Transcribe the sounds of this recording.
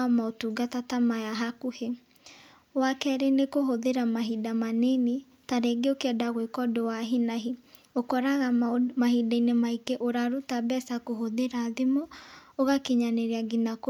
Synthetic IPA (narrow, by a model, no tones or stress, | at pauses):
ɔmaotuɡatatamajaɦakuhe | wakɛɾenekoɦoðeɾamaɦidamanene | taɾeɡeokeɛdaɣwekɔdowaɦinaɦi | okɔɾaɣamahidainemaikeʔoɾaɾutabɛsakoɦoðeɾaðemɔoɣakeɲaneɾeaɡinak